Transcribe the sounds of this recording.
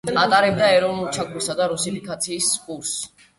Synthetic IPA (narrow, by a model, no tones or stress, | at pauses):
at̪ʼaɾɛb̚d̪aɛɾɔvnulˠt͡ʃʰakʰusad̪aɾusipʰikʼat̪sʰiːskʼuɾs